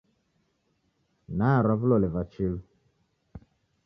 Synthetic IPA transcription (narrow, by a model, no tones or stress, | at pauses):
naɾɔvlɔlɛvat͡ʃil